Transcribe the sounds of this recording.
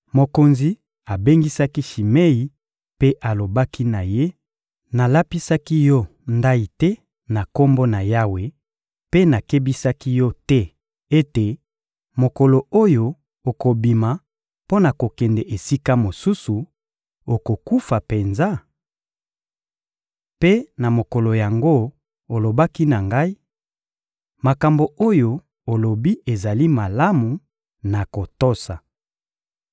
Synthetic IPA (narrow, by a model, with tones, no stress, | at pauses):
mo˨ko˨nzi˨ | a˨be˦ŋɡi˦sa˦ki˦ʃi˨me˦i˨ | pe˦ʔa˨lo˨ba˦ki˦na˨je˦ | na˨la˦pi˦sa˦ki˦jɔ˦nda˦i˨tɛ˦ | na˨ko˦mbo˦na˨ja˦we˨ | pe˦na˨ke˦bi˦sa˦ki˦jɔ˦tɛ˦ | e˦te˨ | mo˨ko˨lo˨o˦jo˨ | o˨ko˨bi˨ma˨ | po˦na˨ko˨kɛ˨ndɛ˨ʔe˨si˦ka˦mo˨su˦su˨ | o˨ko˨ku˦fa˨pe˨nza˦ | pe˦na˨mo˨ko˨lo˨ja˨ŋɡo˦ | o˨lo˨ba˦ki˦na˨ŋɡa˦i˦ | ma˨ka˨mbo˨o˦jo˨ | o˨lo˨bi˦e˨za˨li˦ma˨la˦mu˨ | na˨ko˨to˦sa˨